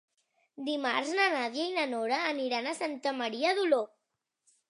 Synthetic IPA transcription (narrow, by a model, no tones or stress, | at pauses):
d̪imaɾznanaðjainanoɾaːniɾanasant̪əmaɾiaðulo